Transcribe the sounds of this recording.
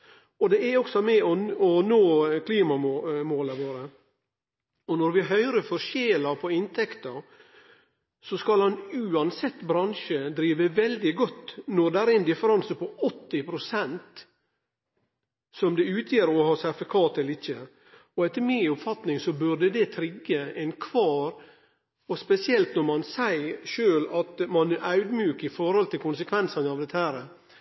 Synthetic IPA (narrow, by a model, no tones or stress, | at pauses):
ɔd̪ɛæɔksɔmɛɔɔnoːkʰliːmɑomoːləʋoːɾə | ɔnɔɾʋɪɦœʏɾəfɔɾʂeːlɑpʰɔɪnt̪ʰɛkt̪əɾ | sɔskɑlɑnʉːɑnsɛt̪ːbɾɑnʂəd̪ɾiːʋəʋɛld̪ɪɡɔt̪ːnɔɾd̪ɛææɾɛnd̪ɪfəɾɑnsəpɔɔt̪ːɪpʰɾʊsɛnt̪ | sɔmd̪ɛʉːt̪ʰjeːɾɔhɑːsæɾfɪkʰɑːt̪ɛlɪçːə | ɔɛt̪ːəɾmɪɔpfɑt̪nɪŋsɔbʉɾɖəd̪ɛt̪ʰɾɪɡːəɛɪnkʰʋɑːɾ | ɔspɛsɪɛlt̪nɔɾmɑnsæɪʂøːlɑt̪mɑnɑʉd̪mjʉːkəɪfɔɾhɔlt̪ʰɪlkʊnsəkʰʋɛnsənəɑʋd̪ɛt̪ːəhæːɾə